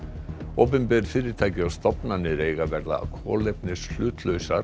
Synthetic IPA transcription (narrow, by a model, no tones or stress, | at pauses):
oːp̬ɪmpɛɾfɪːɾɪɾt̪ʰaːjcɪawst̪ɔpnanːɪɾeːjɣavɛɾða̰kʰɔ̰ːlɛpnɪsl̥ʏːt̪lœɥsaɾ